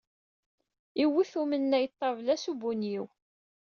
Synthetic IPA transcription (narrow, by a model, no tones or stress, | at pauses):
iwːiθumənːæjt̪ˤːɑvlæsubunjiw